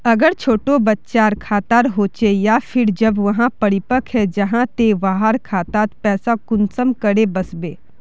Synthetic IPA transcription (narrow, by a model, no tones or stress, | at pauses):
ɐɡəɾt͡ʃʰoːʈobɐtːʃaːɾkʰaːt̪aːɾɦoːt͡ʃejapʰɪɾd͡ʒɐbʋɐɦãpɐɾɪpəkʰɦɛd͡ʒɐɦãt̪eʋaːɦaɾkʰaːt̪aːt̪pɛːsakʊnsəmkɐɽebɐsbeː